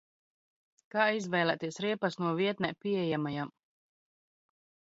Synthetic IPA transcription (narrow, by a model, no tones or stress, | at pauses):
kaːizvɛjlˠɛt̪iɛsɾiɛpasnuɔviɛt̪nɛpiɛjamajam